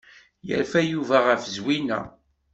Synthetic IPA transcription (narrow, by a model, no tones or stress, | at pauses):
jə̰ɾfæjuvæʁəfəzwinæ̰